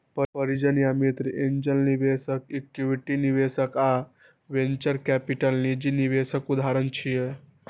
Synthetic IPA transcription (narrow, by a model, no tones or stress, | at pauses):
pəpəɾid͡ʒənjamit̪ɾiʔeɲd͡ʒəlniʋesəkekjuʋiʈiniʋeːsəka | ʋeɲt͡ʃəɾkɛpiʈəlnid͡ʒiniʋesəkud̪ʱaɾənt͡ʃʰije